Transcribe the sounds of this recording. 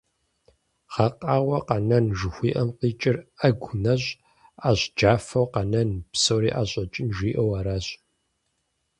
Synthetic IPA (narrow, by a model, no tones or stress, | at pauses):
χɐqʼaːʁʷɐqɐnɐnʒɨxʷiːʔɐmqiːt͡ʃʼɪrɐɡʷʊnɐɕʼ | aːɕd͡ʒaːfɐwqɐnɐnpsowɾiːʔaːɕʼɐt͡ʃʼɪnʒiːʔɐwaːɾaːɕʼ